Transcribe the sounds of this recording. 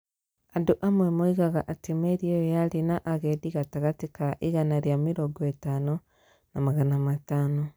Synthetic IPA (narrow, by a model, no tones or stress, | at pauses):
andoʔamwemoiɣaɣaʔatimeɾiojojaɾinaʔaɣediɣataɣatikaʔiɣanaɾjamiɾoɡoetano | namaɣanamatano